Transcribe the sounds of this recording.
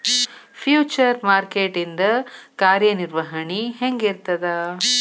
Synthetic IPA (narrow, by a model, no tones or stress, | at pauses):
pʰjuːt͡ʃɐɾmaːɾkeːʈind̪ɐkaːɾjɐniɾʋɐɦɐɳiɦeŋɡiɾt̪ɐd̪ɐ